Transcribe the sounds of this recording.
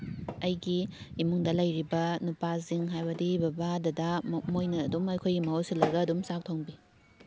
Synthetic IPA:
ɐjɡiːmuŋdɐlɐjɾibɐnupaziŋɦajbɐdibɐbadɐdɐmojnɐːdumɐjkʰojɡimɐosilːɐɡɐːdumsak̚tʰoŋbi

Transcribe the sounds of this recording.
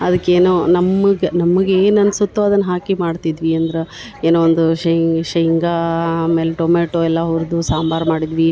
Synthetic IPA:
ɐd̪ɐkːeːnunɐmːɐɡenɐmːɐɡeːnɐnːsut̪ːuɐd̪ɐnːɐɦaːkimaːɖt̪id̪ʋiɐnd̪ɐɾe | eːnoːond̪uʃɐʃɐiŋɡamelʈomeːʈoɛlːɐɦuɾd̪usaːmbaːɾmaːɽid̪ʋi

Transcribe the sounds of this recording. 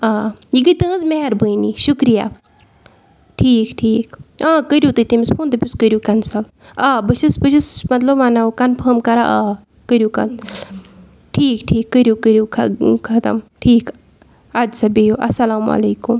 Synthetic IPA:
aːjiɡɨt̪ɨ̃ɨzmeɦɐɾbɨjniʃukɾija̰ː | ʈʰiːkʈʰiːkãːkəɾʲjut̪ɨt̪imispʰuːnt̪ɐpʲuskəɾʲjukɐnsɐl | aːbɨʃɐsbɨʃismɐt̪lɐbmanɐukɐnpʰɐːmkɐɾa̰ʔaː | kəɾʲjuːkɐ̰n | ʈʰiːkʈʰiːkːəɾʲjukəɾjuːkʰkʰɐt̪ɐ̰mʈʰiːk | ad͡ʒsɐbijuʔɐ̰sɐlaːmɐ̰leːkum

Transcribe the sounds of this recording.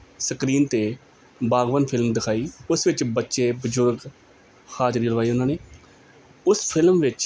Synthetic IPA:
səkɾiːnt̪eː | baːɡʋənpʰɪlmd̪ɪkʰaːiːʊsʋɪt͡ʃbətːʃeːbəzʊɾɡ | xaːd͡ʒɾiːləʋaːiːʊnãːneː | ʊspʰɪlmʋɪt͡ʃ

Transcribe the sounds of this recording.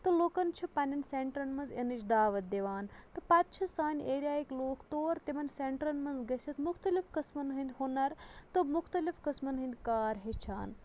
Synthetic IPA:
t̪ɨloːkɐnt͡ʃʰipɐnʲɐnseɳʈɾɐnmɐnzenɨt͡ʃd̪aːʋɐt̪̚d̪eʋaːnt̪ɨpɐt̪̚t͡ʃʰɐsaːnʲeːɾʲijaːikloːkt̪oːɾt̪emɐnseɳʈɾɐnmɐnzɡɐsʲʰɐt̪muxt̪ɐlifkɐsmɐnɦɐ̃nd̪honɐɾt̪ɨmuxt̪ɐlifkɐsmɐnɦɐ̃nd̪kaːɾɦet͡ʃʰaːn

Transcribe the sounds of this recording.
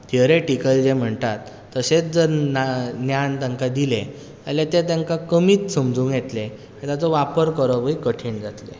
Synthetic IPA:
t̪ʰəɾeʈikəld͡ʑem̤əɳt̪at̪ːəset͡sd͡zəɾnanjant̪ãŋkad̪ile | əlat̪et̪ɛ̃ŋkakəmiːt̪səmd͡zuːŋkjet̪lẽ | t̪jat͡sɔʋapəɾkəɾɔʋəikəʈʰeɳd͡zat̪lḛ

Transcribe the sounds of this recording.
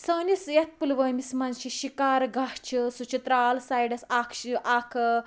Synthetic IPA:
səːnisjɐt̪̚pulʋəjmismɐnʃiɕikaːɾɡʱat͡ʃʰisut͡ʃit̪ɾaːlsaːjɖɐsaːkʰɕiaːkʰ

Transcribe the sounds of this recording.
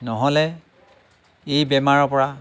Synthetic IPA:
nɔɦɔlɛ | ejbɛmaɹɔpɔɹa

